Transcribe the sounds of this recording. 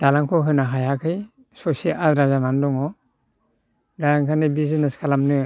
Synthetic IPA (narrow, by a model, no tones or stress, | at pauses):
d̥alaŋkʰɔɦɯnaɦajakʰɯj | sɔsiʔatɾazamandɔŋɔ | dajaŋkʰanɯbizineskʰalamnɯ